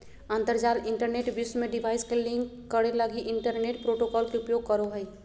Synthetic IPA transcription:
ãnt̪əɾd͡ʒaːlɪ̃ɳʈəɾneːʈbismẽɖiʋaːɪskelɪ̃ŋk | kːəɽeləɡiʔɪɳʈəɾneːʈpɾoːʈokɔːlkeʊpjoːɡ̚kəɾoɦə

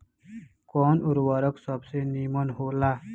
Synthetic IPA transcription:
kɔːnʊɾwəɾəksəbsenimənɦoːlaː

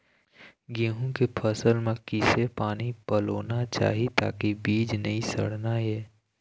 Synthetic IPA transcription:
ɡẽːɦũkepʰəsəlmẽkɪsepaːnipəloːnat͡ʃa̰ːɦit̪a̰ːkibiːd͡ʒneĩsə̰ɽ̤naɦeː

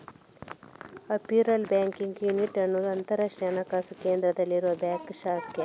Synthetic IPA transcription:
ɐpiːɾɐlbaːŋkiŋɡjuniʈɐnːud̪ɐnt̪ɐɾɐʂʈjaːnɐkaːsukeːnd̪ɾɐd̪ɐlːiɾuʋɐbaːkʃaːke

